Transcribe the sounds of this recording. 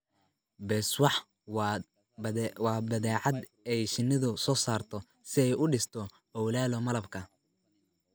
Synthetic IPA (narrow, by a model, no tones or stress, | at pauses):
bɛːswɑħ | wɑːbɐðɛːʕɑd̪ɛjʃɪnːɪðʊsɔːsaːrt̪ʰɔ | sɪɛjʊɖɪst̪ʰɔ | hɔwlaːlɔmɐlɐbkʰɐ